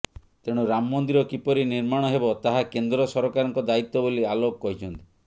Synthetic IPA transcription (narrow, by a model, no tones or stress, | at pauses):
t̪eɽ̃uɾamːɔnd̪iɾɔkipɔɾiniɾmaɽ̃ɔɦebɔt̪aɦakend̪ɾɔsɔɾɔkaɾɔŋkɔd̪ait̪ːɔbolialokkɔɦit͡ʃʰɔnt̪i̥